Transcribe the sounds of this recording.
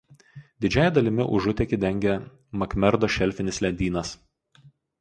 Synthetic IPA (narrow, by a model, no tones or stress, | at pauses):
d̪ʲɪd͡ʒʲɛjɛd̪ɐlʲɪmʲɪ̰ʔʊʒʊt̪ʲɛkʲɪd̪ʲɛŋʲɡʲɛ | mɐkmʲɛɾd̪oːʃʲɛlʲfʲɪnʲɪslʲɛnʲd̪ʲiːnɐs